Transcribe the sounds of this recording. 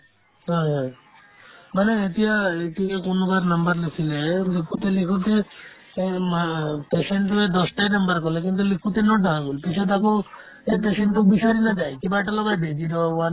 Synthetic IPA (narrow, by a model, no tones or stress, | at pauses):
ɦɔjɦɔ̃ | maneet̪ijaetikekonɔbaɾnambaɾlesʰilelikʰut̪elikʰut̪e | mapeseɳʈued̪ɔsʈajnambaɾkɔlek̬int̪̬ulikʰut̪enɔd̪ʱaɦaɡulipit͡ʃʰɔt̪aku | epeseɳʈubiʃɔɾinad͡ʒajkibajʈalɔbajbed͡ʒiɾɔwan